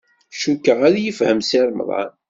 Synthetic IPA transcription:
ʃukːəʁaɾajəfhəmsiɾmə̰ðˤɑ̰n

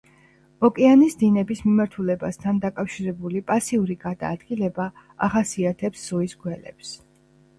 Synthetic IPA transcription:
ɔkʼianisd̪inɛbismimaɾt̪ʰulɛbast̪ʰand̪akʼafʃiɾɛbulipʼasiuɾiɡad̪a̰ːd̪̥ɡilɛba | a̰χasiat̪ʰɛpsz̥uisɡwɛlɛ̰ps

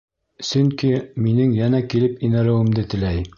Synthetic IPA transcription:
sɵŋkiminɘŋjænækilɘpinæɾæ̆wɘ̆md̪ɘt̪ɘ̆læj

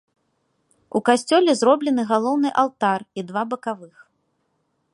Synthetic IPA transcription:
ukasʲt͡sʲɔlʲɛzɾɔblʲɛnɨɣalˠɔwnɨʔalˠt̪arid̪vabɐkavɨx

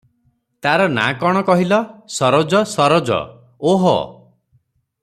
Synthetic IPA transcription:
t̪aɾɔna̰kɔɽ̃ɔkɔɦilɔsɔɾɔd͡ʒɔsɔɾɔd͡ʒɔ̰ | oɦɔ̰

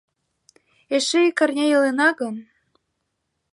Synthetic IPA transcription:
eʃĕikɑrnʲɑjɤlenɑɡɤ̆n

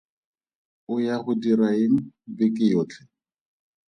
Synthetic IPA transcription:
ʊjahʊdiraiŋ̩bɪkʼɪjoːt͡ɬʰɛ̥

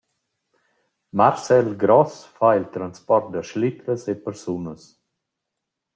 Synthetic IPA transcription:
maɾsɛlɡɾɔsfailt̪ɾanspɔɾt̪̚d̪əʃlit̪ɾəsepəɾsunəs

